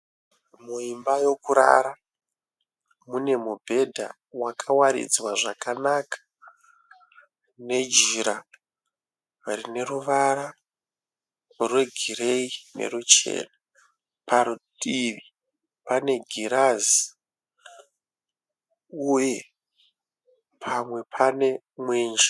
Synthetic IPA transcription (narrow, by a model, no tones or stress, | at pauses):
muimbajo̞kuɾa̰ɾa | mune̞mubʱe̞dʱa̰ | wakʰawaɾḭd͡zwaʐakanakḁ | ne̞d͡ʒiɾa | arine̞ruʋaɾa | rwe̞ɡʱire̞ine̞̰rut͡ʃe̞̰ːna | paɾuɗiʋi | pane̞ɡʱiɾazi | uje̞ | pʰamwe̞pʰane̞ | mweːnd͡ʒa